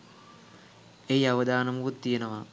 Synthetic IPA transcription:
ejaʋɐd̪aːnɐmuut̪ːijenɐʋa

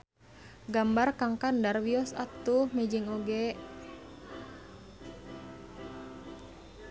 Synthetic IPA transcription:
ɡambarkaŋkandarwiɔsat̪ːuhmɛd͡ʒiŋɔɡɛ

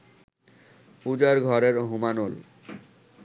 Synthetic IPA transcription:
pud͡ʑaɾɡʱɔɾeɾɦumanol

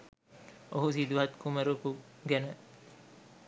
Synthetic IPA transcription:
oɦusid̪uɦɐt̪kuməɾukuɡænə

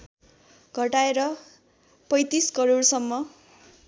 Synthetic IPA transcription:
ɡʱʌʈaeɾʌ | pʌjt̪iskʌɾoɽsʌmːʌ

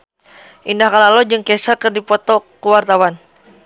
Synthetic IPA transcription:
ʔindahkalalɔd͡ʒɨŋkɛsakɨrdipɔt̪ɔkuwart̪awan

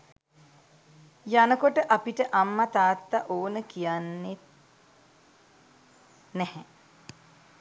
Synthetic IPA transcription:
janəkoʈəʔapiʈəʔamːat̪aːt̪ːaʔoːnəkijanːet̪̚ | nɛhɛ

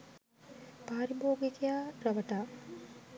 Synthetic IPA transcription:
paːɾiboːɡikejaːrɐʋɐʈaː

